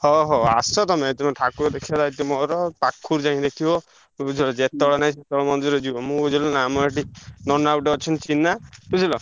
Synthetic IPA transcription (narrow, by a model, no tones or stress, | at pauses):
hɔɦɔa̰sɔt̪ɔmet̪imɔ̃ʈʰakuɾd̪ekʰiad̪ait̪imɔɾɔpakʰːuɾd͡ʒaɦĩd̪ekʰibɔ | bud͡ʒʰʱilɔd͡ʒet̪ɔɭɔnaĩset̪ɔɭɔmɔnd̪ɔɾɔd͡ʒibɔmũɡud͡ʒilɔnamɔɾaʈ̬inɔnawʈɔɔt͡ʃʰɔnt͡ʃinaput͡ʃʰilɔ